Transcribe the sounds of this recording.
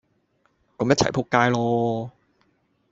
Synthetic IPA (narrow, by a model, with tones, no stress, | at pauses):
kɐ˨˧mjɐ˥t̚t͡ɕʰɐ̰˨˩jpʰoː˧˥kːaː˧jlɔː˧